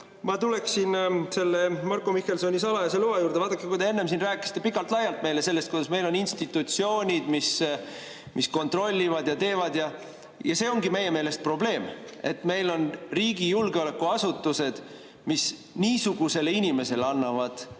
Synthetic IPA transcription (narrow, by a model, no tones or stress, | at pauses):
mɑt̪ule̞ksinse̞lːemɑrkomihːe̞lsoːnʲisɑlɑjɑseluɑjuːɾd̪eɑːd̪̥ɑkːekujd̪ee̞nːe̞ms̬inræːkːˑisi̥t̪ːˑe̞pikːˑɑlt̪lɑjɑlt̪̚me̞jle̞se̞lːest̪kojɑsme̞jlo̞ninst̪it̪ːˑut̪sio̞ːnʲid̪̥mis | mʔisko̞nt̪ro̞lʲːivɑd̪jɑt̪e̞ːvɑd̪jɑ | jɑse̞ːo̞ŋɡime̞jːe̞me̞ːle̞st̪̚pro̞ble̞ːme̞̰t̪ːˑme̞jlo̞nriːɡijulɡeo̞lekːuɑsut̪ˑːuse̞d̪̥ | mis | niːsuɡ̥use̞leinʲime̞se̞leɑnːɑvɑd̪̥